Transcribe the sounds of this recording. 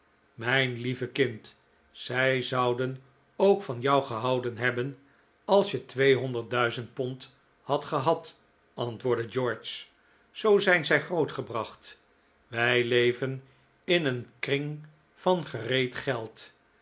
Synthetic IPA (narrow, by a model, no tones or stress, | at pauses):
mɛjnlivəkɪnt | sɛjzɑwdən | owkfɑnjɑwχəɦɑwdənɦɛbən | ɑlˠsjətʋejɦɔndəɹt̚dœɥzənt̚pɔnt | hɑtχəɦɑt | ɑntʋʊːɹdəd͡ʒɔɹt͡ʃ | zowzɛjnzɛjχrowtχəbrɑχt | ʋɛjlejvən | ɪnənkrɪŋ | fɑnχərejtχɛlˠt